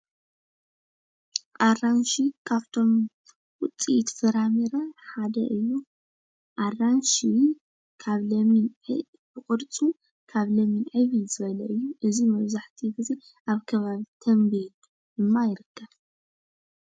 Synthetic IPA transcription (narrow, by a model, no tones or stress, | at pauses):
ʔaranʃikʰaβt̪ʰo̞m | wʊt͡sʼit̪fɨɾamiɾaħad̪ɐ̰ʔɨjːu | ʔaranʃi | kʰaβlɐminʕɨ | bɨkʼɨɾt͡sʼu | kʰaβlɐminʕɨβiz̥ɨβɐlɐʔɨjːuʔɨzimɐβzaħt̪ʰiɡɨzi | ʔaβkʰɐβaβit̪ʰɐmbil | ɨmːajɪɾɨkʰːɐβ